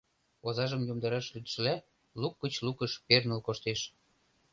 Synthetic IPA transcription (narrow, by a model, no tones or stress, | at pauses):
ozɑʒə̆mjomd̪ɑɾɑʃlyt̪ʃə̆læ | lukːət͡ɕlukəʃpernəlkoʃt̪eʃ